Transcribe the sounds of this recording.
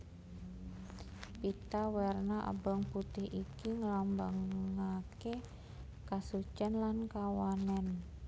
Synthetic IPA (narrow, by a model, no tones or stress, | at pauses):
pit̪awɛrnaʔə̰bəŋput̪ɪhʔikiŋəlambaŋake | kasut͡ʃənlankawanɛn